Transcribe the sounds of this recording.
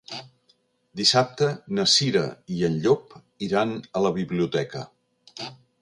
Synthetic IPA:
d̪isap̚t̪ənəsiɾə̰iənʎop | iɾanələβiβliut̪ɛkə̰

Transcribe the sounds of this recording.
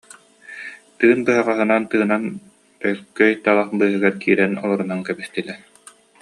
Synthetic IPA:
t̪ɯːnbɯɦaʁaɦɯnant̪ɯːnan | t̪œɾkœjt̪alˠaχbɯːɦɯɡaɾkiːɾɛnɔlˠɔɾunankɛbist̪ilɛ

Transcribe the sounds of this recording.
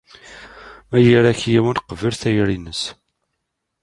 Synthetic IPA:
mæjiɾæçjiwənqəvəlθæjɾinəs

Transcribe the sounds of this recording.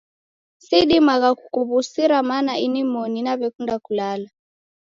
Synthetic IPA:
siɗimaɣakukuβusiɾamanainimɔninaβɛkundakulala

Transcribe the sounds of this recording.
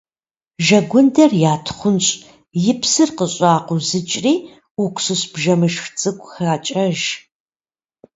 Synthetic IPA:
ʒɐɡʷʊndɐrjaːtʰχʷʊnɕʼ | jɪpʰsɨrqəɕʼɑːqʷʊzɨt͡ʃʼriː | ʊkʷsɨɕbʒɐmɨʃxt͡sʼɨkʷʼxaːt͡ʃʼɐʒ

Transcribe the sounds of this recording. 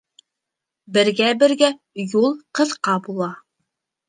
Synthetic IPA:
bɘ̆ɾɡæbɘ̆ɾɡæ | julˠqɤ̆ðqɑbulˠɑ

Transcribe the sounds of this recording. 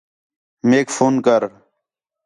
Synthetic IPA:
meːkfoːnkəɾ

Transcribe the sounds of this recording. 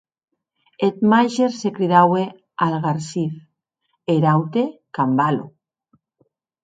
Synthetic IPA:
et̪majʃeɾsekɾiðawe | alɣaɾsiθ | eɾawt̪ekambalo̰

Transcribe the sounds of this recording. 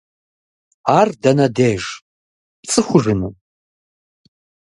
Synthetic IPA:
aːrdɐnɐdeːʒ | pt͡sʼɨχʷʊʐɨnɨ

